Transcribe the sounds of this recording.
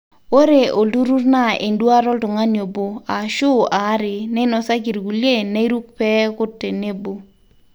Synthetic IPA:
o˦ɾe˨o˨ldu˦ɾu˦rna˦ḛ˨ndwa˦ɾɔ˦ltʊ˨ŋa˦njo˨bo˨a˨ʃʊ˦a˨˦ɾɪ˨nɛ˦nɔ˨sa˦ɡi˨ɾɡu˨lje˦˨ne˦i˦ɾu˦k̚pɛ˦kʊ˦tːe˨ne˦bo˨

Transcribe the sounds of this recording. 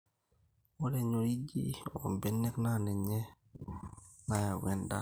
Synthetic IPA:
wo˦le˨ɲo˨ɾi˦d͡ʒḭ˦o̰˨mbɛ˦nːɛ˦kna˦nɛ˨ɲe˦ | na˨ja˨wɛ˦nda̰˦

